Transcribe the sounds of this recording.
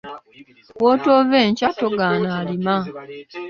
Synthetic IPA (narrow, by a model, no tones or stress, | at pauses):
wotoveːɲcatoɡanaːlima